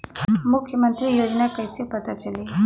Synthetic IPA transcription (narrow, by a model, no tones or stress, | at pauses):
mʊkʰjəmənt̪ɾijoːd͡ʒnakəjsepət̪at͡ʃəliː